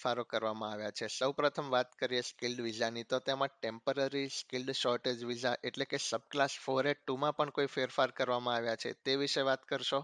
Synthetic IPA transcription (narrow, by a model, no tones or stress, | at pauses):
faɾokəɾʋamãaʋjat͡ʃʰesəwpɾət̪ʰəmʋat̪kəɾijeskilɖʋid͡ʒanit̪ot̪emãʈempəɾaɾiskilɖʃɔɾʈed͡ʒʋid͡ʒaʔeʈlekesəb̚klasfoɾeʈːumãpəɳkoifeɾfaɾkəɾʋamãaʋjat͡ʃʰḛt̪eʋiʃeʋat̪kəɾʃo